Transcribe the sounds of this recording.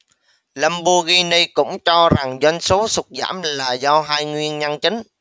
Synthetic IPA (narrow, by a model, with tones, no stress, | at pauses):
la˧mɓu˧ɣi˧ni˧kʊ̰˧˥ŋ͡mt͡ɕɔ˧za˨˩ŋzwa˧ŋ̟so˨˦sʊ˨˩t̚za̰ː˧˩mlaː˨˩zɔ˧ɦaː˧jŋwi˧ənɲa˧nt͡ɕï˨˦ŋ̟